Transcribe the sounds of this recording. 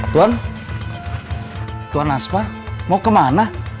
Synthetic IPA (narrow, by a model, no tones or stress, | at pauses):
t̪uan | t̪uanaspanmakəmana